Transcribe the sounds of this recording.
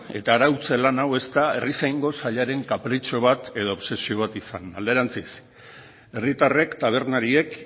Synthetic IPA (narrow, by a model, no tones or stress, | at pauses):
e̞t̪aːɾawt͡selanawe̞st̪ae̞risajŋɡo̞saʎaɾe̞ŋkapɾit͡ʃo̞β̞at̪e̞ðo̞ːβse̞sio̞β̞at̪isana̰ld̪e̞ɾant͡sis | e̞rit̪are̞kt̪aβ̞e̞ɾnaɾie̞k